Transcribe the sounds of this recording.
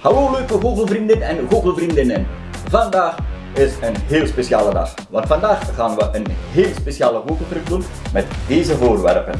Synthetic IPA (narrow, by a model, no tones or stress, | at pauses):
hɑloːløːkəɣoːɣəlˠvrindɪnɛnɣoːɣəlˠvrindɪnən | vɑndaːx | ɪsənɦeːlˠspesjaːlədɑ̰x | ʋɑntfɑndaːxɣaːnʋəʔənɦeːlˠspesjaːləɣoːɣəlˠtrʏk̚dun | mɛtdeːzəvoːrʋɛ̰rpən